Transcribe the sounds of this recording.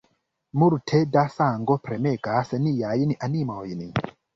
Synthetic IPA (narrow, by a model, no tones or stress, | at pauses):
muɾtʰedasaŋɡopɾemeɡasenijajniʔanimojni